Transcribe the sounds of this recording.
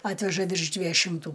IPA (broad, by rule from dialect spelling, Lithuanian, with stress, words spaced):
ˈɑːtʲʋʲɛʒɐ ʋʲɪrʃ ˈdʲʋʲiɛjʊ ʃʲɪmˈtuː